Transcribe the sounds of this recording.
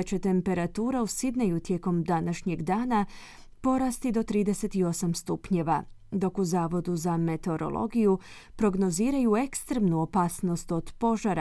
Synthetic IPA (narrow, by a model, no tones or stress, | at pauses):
t͡ɕe̞t̪e̞mpe̞ɾat̪uːɾausid̪najut̪je̞ko̞md̪anaʃɲe̞ɡd̪aːna | po̞ɾast̪id̪o̞t̪ɾiːd̪e̞se̞t̪io̞samst̪upɲe̞ʋad̪o̞kuzaːʋo̞d̪uzame̞t̪eo̞ɾo̞̰lˠo̞̰ɡiju | pɾo̞ɡno̞ziːɾajue̞kst̪ɾemnuo̞paːsno̞st̪o̞d̪po̞ʒaɾa